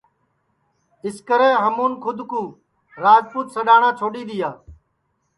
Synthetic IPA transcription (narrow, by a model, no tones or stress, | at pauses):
ɪskəɾeːɦəmuːnkʰʊd̪ʱkuː | ɾaːd͡ʒpuːt̪səɗaːɳãːt͡ʃʰoːɗiːd̪ɪjaː